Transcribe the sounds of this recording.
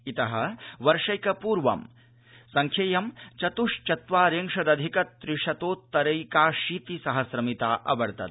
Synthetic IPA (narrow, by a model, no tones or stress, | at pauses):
it̪ɐɦɐ̆ʋɐɾʂɐjkɐpuːɾʋɐ̰m | sɐŋkʰjɐjɐmt͡ʃɐt̪uʂt͡ʃɐt̪ʋaːɾeːŋʂɐd̪ɐd̪ʱikɐt̪ːɾiʂɐt̪oːt̪ːɐɾɐjkaːʂiːt̪isɐɦɐsɾɐmit̪aːʔɐ̰bɐɾt̪ɐ̰t̪